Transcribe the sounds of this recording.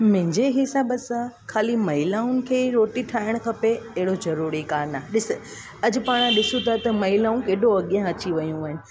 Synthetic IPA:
mɐ̃ɦɪ̃ɲd͡ʑeɦɪsaːbəsakʰaːlimɐɦɪlaːʊnɪ̆kʰeːɾoːʈiʈʰaːɪɽ̃kʰɐpeɐɦɪɽozɐɾuːɾikaːɾnaːɗɪsɪ̆ | ɐd͡ʑʊ̆paːɽ̃ãɗɪsũt̪ʰat̪ɐmɐɦɪlaːũkeːɗoɐɠijãɐt͡ɕiʋɐjũaɦɪnɪ̆

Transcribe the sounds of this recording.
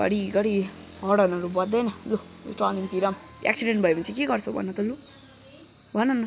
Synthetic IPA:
ɡʌ̰ɽiɡʌɽiɦʌɽʌnʌɾubʌd̪ʌjnʌlu | ʈanint̪iɾʌm | ʔa̰k̚siɖeɳʈbʱʌepʌnt͡sʰikeɡʌrt͡sʰʌbʱʌ̰nːʌt̪ulu | bʱʌnʌnːʌ

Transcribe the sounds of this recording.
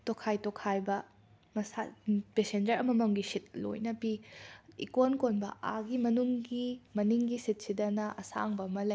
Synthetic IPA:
tokʰajtokʰajbɐ | mɐsa̰pesend͡ʒɐɾɐmɐmɐŋɡisit̚lo̰jnɐbiḭkonkonbɐ̰ʔaɡimɐnuŋɡimɐniŋɡisit̚sidɐnɐʔɐsa̰ŋbɐmɐlɐj

